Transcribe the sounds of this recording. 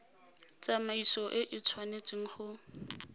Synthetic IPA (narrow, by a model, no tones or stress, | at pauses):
t͡sʼamaisɔʔɪʔɪt͡sʰwanet͡sʼiŋ̩χʊ